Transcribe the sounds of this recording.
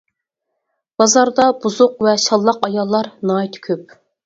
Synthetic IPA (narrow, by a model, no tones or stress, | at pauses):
b̥ɑzɑɾd̪ɑbuzʊqvɛʃɑlˠːɑqɑjɑlˠːɑɾnɑːit̪ʰkʲʰøp̚